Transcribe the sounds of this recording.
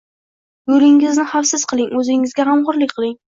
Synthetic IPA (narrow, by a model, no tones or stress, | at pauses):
jʊɾɪŋɪznɪχafsɪz̥qʰɨlˠɪŋɵzɪŋɪzɡʲaɦamʁʊɾlɪkʲqʰɨlˠɪŋ